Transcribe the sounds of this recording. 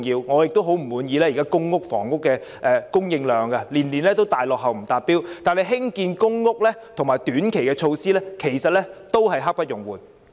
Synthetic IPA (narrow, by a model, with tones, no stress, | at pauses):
ŋjiː˧wŋɔː˨˧jɪ˨k̚t̪o˥wɦo˨˥wm̩˨˩wuː˨˧njiː˨˧lɛː˥jiː˨˩kaː˥kʊ˥ŋːʊ˥k̚fɔ̰ː˨˩ŋʊ˥kːɛː˧ʔɛː˧kʊ˥ŋjɪ˧ŋlœː˨˧ŋɡɐ˧liː˨˩nliː˨˩nlɛː˥t̪o˥wt̪aː˨jlɔː˨k̚ɦɐ˨wm̩˨˩t̪aː˨t̚pːiː˥wt̪aː˨˩nle˨˧ɦɪ˥ŋkiː˧nkʊ˥ŋːʊ˥k̚lɛː˥t̪ʰʊ˨ŋmaː˨˩jt̪yː˨˥nkʰe˨˩jkɛː˧t͡ʃʰo˧wsiː˥lɛː˥kʰe˨˩jsɐ˨t̚lɛː˥t̪o˥wɦɐ˨jɦa˥k̚pɐ˥t̚jʊ˨˩ŋwuː˨˩n